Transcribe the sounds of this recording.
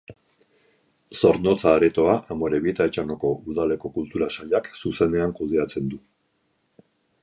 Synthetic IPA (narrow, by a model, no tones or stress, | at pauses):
so̞ɾnot͡saːɾet̪o̞aʔamo̞ɾe̞βit̪aet͡ʃanoko̞ʔuðale̞ko̞kult̪uɾasaʎaksuse̞ne̞aŋkuðe̞at͡se̞nd̪u